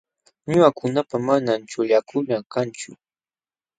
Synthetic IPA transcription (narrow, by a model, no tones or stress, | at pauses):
ɲʊakʊnapamanant͡ʃʊʎakʊnakant͡ʃʊ̰